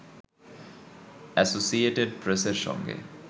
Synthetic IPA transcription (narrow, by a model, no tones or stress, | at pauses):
æsosieʈeɖ̚pɾeseɾʃɔ̰ŋɡḛ